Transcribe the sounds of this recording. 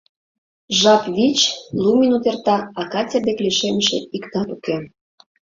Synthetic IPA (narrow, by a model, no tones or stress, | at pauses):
ʒɑpβit͡ɕlumʲinut̪ert̪ɑɑkɑtʲed̪ekliʃemʃḛikt̪ɑt̪uke